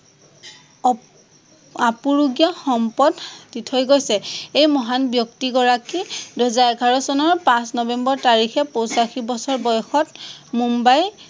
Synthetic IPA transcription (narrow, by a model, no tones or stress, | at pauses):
apuɹuɡijaxɔmpɔdditʰɔjɡojsɛejmɔɦanbjɔktiɡɔɹakiduzaɛɡʱaɹɔsɔnɔɹpãsnɔbɛmbɔɹtaɹixɛpowsaxibɔsɔɹbɔjɔxɔtmumbaj